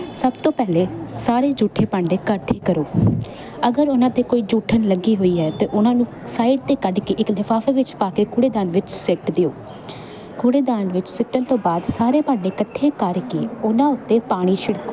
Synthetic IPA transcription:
səbt̪õːpɛːleːsaːɾeːd͡ʒuːʈʰeːpaːɳɖeːkəʈʰːeːkəɾoː | əɡəɾʊnãːt̪eːkoːiːd͡ʒuːʈʰənləɡiːɦoːiːɦɛːt̪eːʔʊnãːnũː | saːiɖt̪eːkəɖkeːʔɪklɪfʰaːfʰeːʋɪt͡ʃpaːkeːkuːɽeːd̪aːnʋɪt͡ʃsɪʈd̪eːoː | kʰuːɽeːd̪aːnʋɪt͡ʃsɪʈːənt̪õːbaːd̪saːɾeːpãːɳɖeːkəʈʰːeːkəɾkḛːʊnãːʊt̪ːeːpaːɽ̃iːʃɪɽkoː

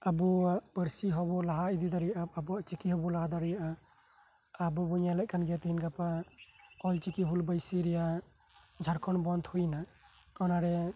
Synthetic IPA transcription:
abuaʔpəɾsiɦɔbɔlaɦaid̪id̪aɾijaʔab̚abuaʔt͡ʃikiɦɔbɔlaɦad̪aɾijaʔaː | bubuɲalac̚kanɡɛt̪iinɡapa | ɔlt͡ʃikiɦulbəjsiɾɛja | d͡ʒʱaɾkʰɔnbɔnd̪hujna | ɔnaɾɛ

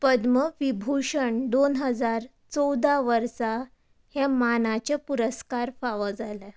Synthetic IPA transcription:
pəd̪məʋibʱuʂəɳɖonɦəd͡zaɾ | t͡sɔwd̪aʋəɾsa | hjɛ̃manat͡ɕapuɾəskaɾfaʋəd͡zalɛ

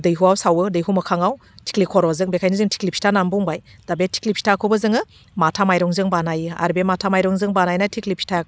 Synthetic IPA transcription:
dɯjɦuawsawɯdɯjɦumɐkʰaŋaw | tʰi̥klikʰɔɾɔzɯŋbekʰajnɯzɯŋtʰi̥klipʰi̥tʰanambuŋbajd̥abetʰi̥klipʰi̥tʰakʰobɯzɯŋɯ | matʰamajɾɔŋzɯŋbanajɯa̰ɾbematʰamajɾɔŋzɯŋbanajnatʰiklipʰi̥tʰa

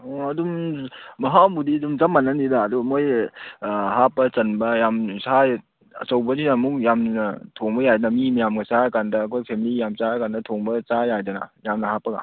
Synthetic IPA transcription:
ɐdummɐɦabudiɐdumzamːanːandidaːdumoj | hapːɐt͡ʃɐnbɐjamsa | ɐ̰t͡ʃɐwbɐzinɐmuk̚jamnɐtʰoŋbɐjajdɐnɐmimajamɡɐsakandɐːkʰojpʰemilijamsakandɐtʰoŋbɐt͡ʃajajdɐnɐ̰jamnɐhapːɐɡa̰

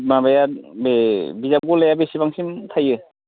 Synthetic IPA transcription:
mabajabebizap̚ɡolajabesibaŋsimtʰajɯ

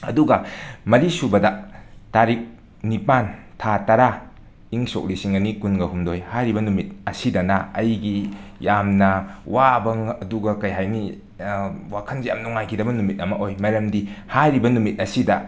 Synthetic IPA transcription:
ɐ̰duɡɐmɐɾisubɐdɐtaɾik̚ | nipantʰatɐɾa | iŋso̰k̚lisiŋɐnikunɡɐhumdojhajɾibɐnumit̚ɐsidɐnɐːjɡijamnɐwabɐŋɐduɡɐkɐjɦajni | wakʰɐnzija̰mnuŋajkʰidɐbɐnumit̚ɐmɐʔojmɐɾɐmdihajɾibɐnumit̚ɐsidɐ̰

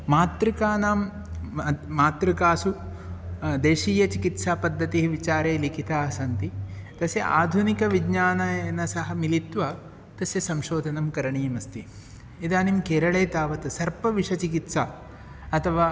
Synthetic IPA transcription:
maːt̪ɾikaːnaːm | maːt̪ɾikaːsu | d̪eːʃiːjɐt͡ʃikit̪saːpɐd̪ʱːɐt̪iɦiʋit͡ʃaːɾeːlikʰit̪aːɐsɐnt̪it̪ɐsjɐ̰ʔaːd̪ʱunikɐʋiɡɲaːnɐɐnɐsɐɦɐmilit̪ʋɐ | t̪ɐsjɐsɐmʃoːd̪ʱɐnɐmkɐɾɐɳiːmɐst̪i | id̪aːnimkeːɾɐɭeːt̪aːʋɐt̪ɐsɐɾpɐʋiʂɐt͡ʃikit̪saː | ɐt̪ʰɐʋaː

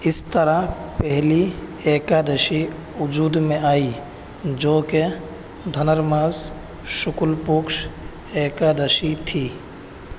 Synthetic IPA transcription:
ɪst̪əɾapɛɦlieːkad̪əʃi | ʊd͡ʒuːd̪mẽaːi | d͡ʒoːke | d̪ʱənəɾmaːz | ʃʊkʊlpʊkʃ | eːkad̪əʃit̪ʰiː

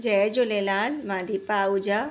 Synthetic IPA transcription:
d͡ʒɛd͡ʒolelaːlmãːd̪ipaːud͡ʒa

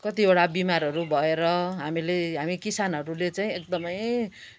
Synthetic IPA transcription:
kʌt̪iboɽabimaɾɦʌɾubʱʌeɾʌɦamileɦamikisanɦʌɾulet͡saĩek̚d̪ʌmʌj

